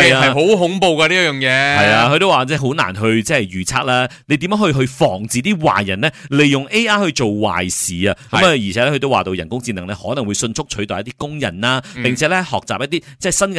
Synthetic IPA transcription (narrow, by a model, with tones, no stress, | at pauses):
ɐ˨jaː˧ɐ˨˩ɦo˨˥wɦʊ˨˥ŋpo˨˧wkaː˧liː˥jœː˨˩ŋjɛː˨˧hɐ˨jaː˧ɦʰɵ˧t̪o˥waː˨t͡sɛː˥˩ɦo˨˥wna̰ː˨˩nɦɵ˧ɥt͡sɛː˥ɐ˨jjyː˨t͡sʰaː˧t̚laː˥ne˨˧t̪i˨mɐː˨˥ŋhɵ˧ɦɵ˧ɥfɔː˨˩ŋt͡siː˨t̪̬iː˥wa̰ː˨jɐ˨˩nlɛː˥le˨jːʊ˨ŋʔe˥jaː˥hɵ˧ɥt͡so˨wwa̰ː˨˩jsiː˨˩ɐ˧kɐ˨˥ma˧jiː˨˩ɛː˨˦lɛ˥ɵ˧t̪o˥waː˨˩t̪o˧wjɐ˨˩nkʊ˥ŋt͡si˧nɐ˨˩ŋlɛ˥hɔː˨˥nɐ˨˩ŋwu˨˧jsɵ˧nt͡sʰʊ˥k̚t͡ʃʰɵ˨˥t̪ɔː˨jɐ˥t̪iː˥kʊ˥ŋjɐ̰˨˩naː˥pɪ˨ŋt͡sʰɛː˨˥lɛ˥hɔː˨˩k̚t͡saː˨p̚jɐ˥t̪̬̚i˥t͡sɛː˥˩sɐ˥n